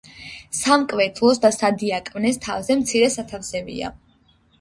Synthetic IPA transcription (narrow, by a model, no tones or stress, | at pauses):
samkʼvɛt̪ʰlˠɔsd̪asad̪iakʼmnɛst̪ʰa̰vzɛmt̪sʰiɾɛsat̪ʰafsɛbḭa̰